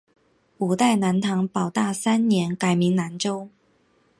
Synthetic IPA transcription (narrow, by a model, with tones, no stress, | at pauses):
u˨˩t̪a˥˩ɪna˧˥nt̪ʰɑ˧˥ŋpɑ˨˩ʊt̪a˥˩sa˥nnjɛ˧˥nka˨˩ɪmi˧˥ŋna˧˥nʈ͡ʂo˥ʊ